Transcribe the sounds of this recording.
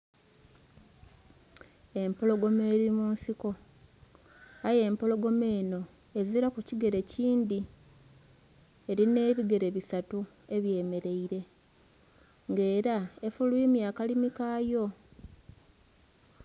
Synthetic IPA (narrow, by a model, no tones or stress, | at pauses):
e̞mpo̞lo̞ɡo̞meːɾimuːnsiko̞ | aje̞ːmpo̞lo̞ɡo̞me̞ːno̞ | e̞ziɾakuciɡe̞ɾe̞ciːnd̪i | e̞ɾine̞ːβiɡe̞ɾe̞βisatu | e̞βje̞ːme̞ɾe̞iɾe̞ | ŋɡe̞ːɾaefuluemjaːkalimikaːjo̞